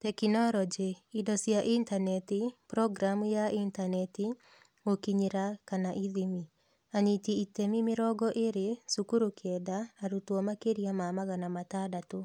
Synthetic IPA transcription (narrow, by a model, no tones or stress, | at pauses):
tɛkinɔɾɔd͡ʒiidɔsjaʔintanɛtipɾɔɡɾamujaʔintanɛti | okiɲeɾakanaʔiðimi | aɲitiitemimeɾɔɡɔʔeɾesukuɾokʰɛdaːɾutwɔmakeɾiamamaɣanamatadato